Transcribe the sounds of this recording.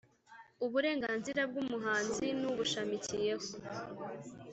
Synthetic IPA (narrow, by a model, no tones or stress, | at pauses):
uβuɾe̞ːŋɡaːnziɾab̚ɡumuɦaːnzinuβuʃamicije̞ho